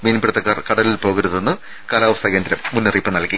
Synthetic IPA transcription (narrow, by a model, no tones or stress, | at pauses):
miːnimprɐt̪ːɐkːaːrkɐɽɐlilpo̞ːɣiɾuðenːɨ | kaːlaːʋɐst̪ʰɐːɣɐndɾɐmːunːiriːpːɨnɐlkːi